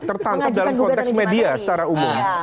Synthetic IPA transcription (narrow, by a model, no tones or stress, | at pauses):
t̪ərt̪aŋkap̚dalmkɔnt̪ɛksmediasaɾaumʊm